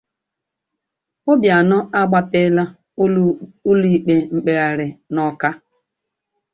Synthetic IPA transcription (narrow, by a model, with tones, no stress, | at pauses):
ʊ˦bja˨nɔ˦ʔa˦ɡ͡ba˦pe˦la˦ | u˦li˨k͡pe˨ŋ͡m̩˨k͡pe˨a˨ɾɪ˨nɔ˦ka˦